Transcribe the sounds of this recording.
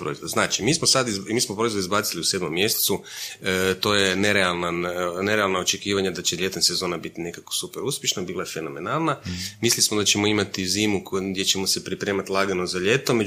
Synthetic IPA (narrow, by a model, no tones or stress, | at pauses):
pɾo̰izʋod̪znaːt͡ʃimiːsmosad̪imiːsmopɾo̞izʋod̪izbaːt̪siliused̪mo̞̰mːje̞se̥t̪su | t̪o̞jeneɾealˠnanne̞ɾealˠnao̞t͡ʃe̞kiːʋaɲad̪at͡ʃeʎʲe̞t̪anse̞zo̞ːnabit̪ine̞kako̥supeɾuspʲjeʃnabiːlˠajefeno̞me̞naːlˠnamislismod̪at͡ɕe̞moimat̪iziːmukɡd̪jet͡ɕe̞mose̞pɾipɾeːmat̪lˠaɡanozaʎe̞t̪o̞me